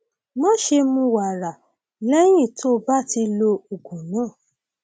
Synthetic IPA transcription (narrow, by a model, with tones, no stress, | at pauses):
mɔ̃˦ʃe˧mũ˧˦wa˨ɾa˨ | lɛ˦j̃ĩ˦˨tʰo˦ba˦˨ti˧lo˧u˨ɡũ˨nãː˨˦˨